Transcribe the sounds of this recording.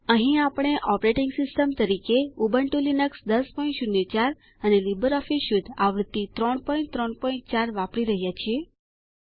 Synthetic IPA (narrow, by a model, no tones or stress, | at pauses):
əɦĩapɽ̃eʔɔpɾeʈiŋɡsɪsʈəmt̪əɾikeubəɳʈulinəksd̪əspɔĩnʈʃunːet͡ʃaɾ | ənelibəɾɔfisʃud̪aʋɾt̪ːit̪ɾɔɳpɔĩɳt̪ɾɔɳpɔĩɳʈ̚t͡ʃaɾʋãpɽiɾəɦjat͡ʃʰie